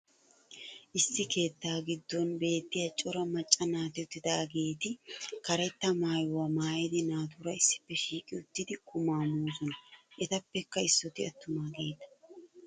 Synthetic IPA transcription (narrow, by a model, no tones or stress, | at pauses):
ʔɪsːɪke̞ːt̪ːaːɡɪd̪ːɔnbe̞ːt̪ːɪjat͡ʃʼɔɾɐmɐt͡ʃʼːɐnaːt̪ɪʊt̪ːɪd̪aːɡe̞ːt̪ɪkɐɾɛt̪ːɐmaːjʊwɐmaːjɛd̪ɪnaːt̪ʊɾɐɪsːɪ̥pːɛʃiːkʼɪʊt̪ːɪd̪ɪkʊmaːmoːzɔnɐʔɛt̪ɐpːɛkːɐɪsːɔt̪ɪɐt̪ːʊmaːɡeːt̪ːɐ̥